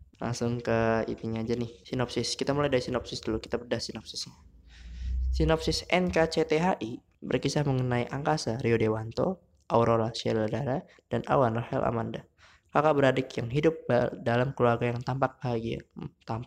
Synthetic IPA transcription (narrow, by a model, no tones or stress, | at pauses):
la̰ŋsʊŋkəḭt̪iɲad͡ʒanɪhsinɔpsɪskit̪amulajdaɾisinɔpsɪsdulukit̪abərdahsinɔp̚sɪsɲa | sinɔpsɪsɛnkat͡ʃet̪eɦaʔi | bərkisahməŋənaiʔaŋkasaɾiodewant̪o | ʔawɾolasiadladaɾa | d̥anʔa̰wanrahɛ̰lʔa̰manda | kakaʔbəɾadɪkjaŋɦidʊp̚bdalamkəluarɡajaŋt̪ampak̚baɦaɡia̰mt̪ampa